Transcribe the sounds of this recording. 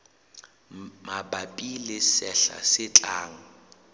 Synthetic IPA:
mabapʼilɪsɛɬa̰sɪt͡ɬʼaːŋ̩

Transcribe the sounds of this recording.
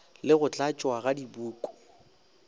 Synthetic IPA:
lɪɣʊt͡ɬʼat͡ʃʼwaɣadibuːkʼɔ̥

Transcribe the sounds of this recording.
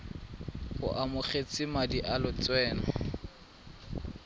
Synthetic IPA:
hʊ̰ʔamʊχet͡sʼɪmadiʔalʊt͡sʼwɛːnɔ

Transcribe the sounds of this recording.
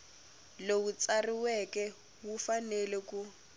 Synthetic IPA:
lewut͡sariwɛkɛ | wufanɛleku

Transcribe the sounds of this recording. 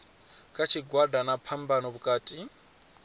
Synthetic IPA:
kʼat͡ʃʰiɡwadanapʰambanɔβukʼaːtʼi

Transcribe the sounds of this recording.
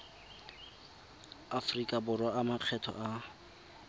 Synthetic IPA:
afrikʼabʊrwaamaq͡χʰɛtʰɔ̰ʔa

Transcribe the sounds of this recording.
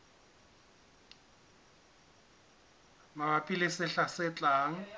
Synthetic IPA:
mabapʼilɪsɪɬasɪt͡ɬʼaːŋ̩

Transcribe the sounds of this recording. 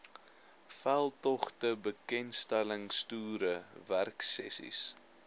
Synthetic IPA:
fælˠtɔχtəbəkɛnstæləŋstuːɾəværksɛ̰sḭs

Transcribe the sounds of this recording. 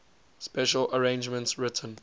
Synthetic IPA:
spɛʃələɹẽɪ̃nd͡ʒmə̃ntsɹɪtʰə̃n

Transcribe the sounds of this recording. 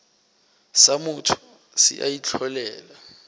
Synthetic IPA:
samutʰu̥ | sḭʔa̰jit͡ɬʰɔlɛːla

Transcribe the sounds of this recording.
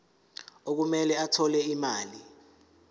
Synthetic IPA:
ok̬umɛlɛatʰɔlɛimaːli

